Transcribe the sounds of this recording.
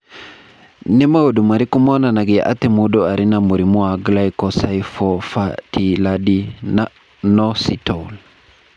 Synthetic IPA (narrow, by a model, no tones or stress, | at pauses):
nɛmaodumaɾikumɔnanaɡiaʔa̰t̪ɛmudɔaɾinamuɾimuaɡlajkɔsajfɔfatiladina | nɔsitɔl